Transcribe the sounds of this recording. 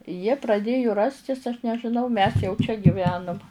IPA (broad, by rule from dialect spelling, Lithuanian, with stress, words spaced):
jiɛ prɐˈdʲeːjʊ ˈrɑːsʲtʲɪs ɐʃ nʲɛʒʲɪˈnɐʊ mʲɛs jɛʊ t͡ʃʲɛ ɡʲiːˈʋʲæːnʊm